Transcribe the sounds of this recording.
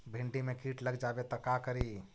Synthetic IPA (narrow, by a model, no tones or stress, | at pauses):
bʱiɳɖimekiʈləɡd͡ʒabet̪əkakəɾi